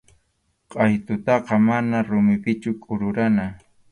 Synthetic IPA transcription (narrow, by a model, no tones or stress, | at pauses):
qʼɑjt̪ʊt̪ɑqɑmanaɾʊmɪpɪt͡ʃʊkʼʊɾʊɾana